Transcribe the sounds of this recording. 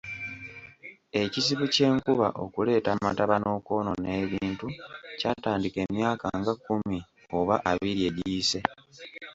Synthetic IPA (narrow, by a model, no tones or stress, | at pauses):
e̞cisiβuce̞ːŋkuβa̰ʔo̞̰kule̞ːtamataβano̞ːko̞ːno̞ne̞ːβiːntucaːtaːndike̞ːmjaːkaŋɡakːumi | o̞βaʔaβiɾie̞ɾiːse̞